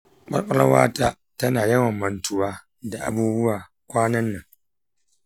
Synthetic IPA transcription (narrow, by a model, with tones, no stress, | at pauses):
k͡pa˦k͡pa˦la̰˦wa̰ː˦ta˦ | tɐ˦naː˨jɐ˦ŋa˨mːɐ˨ntu˨waː˦ | da˨ʔa̰˨buː˦bʊ˦wa˨ | kʷaː˦nɐ˦nːa˨